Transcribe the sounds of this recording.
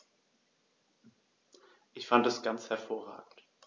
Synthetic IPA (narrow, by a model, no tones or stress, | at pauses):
ʔɪçfantɛsɡ̥ant͡shɛɐfoːɐʁa̰ːɡŋ̩t